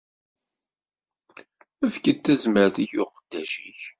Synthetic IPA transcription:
æfkəd̪θæzməɾθiçʊ̰χəd̪̥ːæʃiç

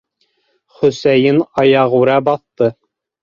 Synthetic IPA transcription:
χɵ̆sæjɘnɑjɑʁuɾæbɑθɤ

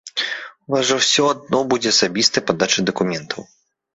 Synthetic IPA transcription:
vaʐɐwsʲɔɐd̪̚nɔbud͡zʲɛɐsabʲist̪ɐjpad̪at͡ʂɨd̪ɐkʊmʲɛnt̪ʰɐw

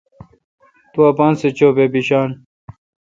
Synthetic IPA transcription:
t̪uɐpanset͡ɕoːpebiɕaːn

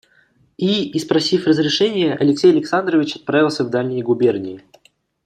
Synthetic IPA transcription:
iːspɾɐsʲifrəzɾʲɪʂɛnʲɪjəʔɐlʲɪksʲejɐlʲɪksand̪ɾəvʲɪt͡ɕɐt̪̚pɾavʲɪlˠsʲəvd̪alʲnʲɪjəɡʊbʲernʲɪɪ

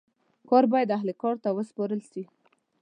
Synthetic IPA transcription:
kɑɾbɑjad̪aɦlekɑɾt̪awəspɑɾəlʃi

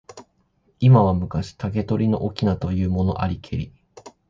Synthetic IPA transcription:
imaβ̞amɯ̟kaɕi̥t̪ake̞t̪o̞ɾʲino̞̰ʔokʲinat̪o̞jɯ̟ːmo̞no̞̰ʔa̰ɾʲikʰḛɾʲḭ

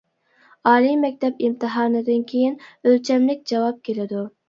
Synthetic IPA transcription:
ɑːlˠimɛk̚ʲt̪ʰɛbimt̪ɨɦɑːnɨd̪ɪnkʲʰejinølt͡ʃʰɛmlɪk̚ʲd͡ʒɑwɑp̚kʲʰelɪd̪u

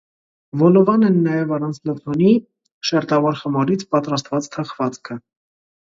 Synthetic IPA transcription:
vɔlɔvɑnɛnːɑjɛvɑrɑnt͡sʰlətnɔni | ʃɛɾt̪ɑvɔɾχəmɑɾit͡sʰpɑt̪ɾɑst̪vɑt͡st̪ʰɑχvɑt͡skʰə

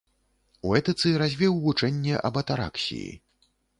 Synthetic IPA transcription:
uɛt̪ɨt̪sɨɾazʲvʲɛwvut͡ʂɛnʲːɛʔɐbɐt̪aɾa̰ksʲḭjḭ

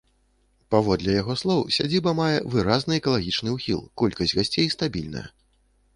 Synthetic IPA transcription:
pavɔd̪lʲɛjaɣɔslˠɔwsʲad͡zʲibɐmajɛvɨɾaznɨɛkɐlˠaɣʲit͡ʂnɨwxʲḭlˠkɔlʲkɐsʲd͡zʲɣasʲt͡sʲejst̪abʲilʲnɐ̰jɐ̰

